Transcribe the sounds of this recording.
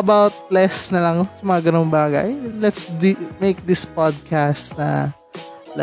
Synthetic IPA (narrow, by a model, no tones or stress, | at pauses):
ʔɐbawt̪̚lɛsnɐlɐŋsɐmɐŋɐɡɐnoŋbaːɡɐ̰jlɛt̪sd̪imejk̚d̪ɪspad̪̚kʰast̪nɐ̰ | lɛ